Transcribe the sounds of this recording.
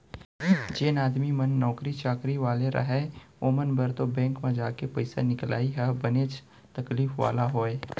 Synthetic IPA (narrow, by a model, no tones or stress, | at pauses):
d͡ʒeːnaːd̪mimənːɔːkɾit͡ʃaːkɾiʋaːleɾʔɐ̰ɦɛ | oːmənbəɾt̪obɛ̃ːŋkmẽd͡ʒaːkepɐɪsanɪkla̰ːiɦɛbəneːt͡ʃ | t̪ɐkliːfʋa̰ːlaɦoːe